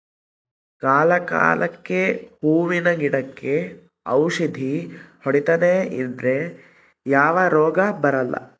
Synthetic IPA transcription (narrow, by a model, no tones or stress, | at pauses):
kaːlɐka̰ːlɐkːehuːʋinɐɡiɽɐkːe̞ | ɐwʃid̪ʱihoɽit̪ɐneind̪ɾe | jaːʋɐɾɔːɡɐbɐɾɐlːʔɐ̰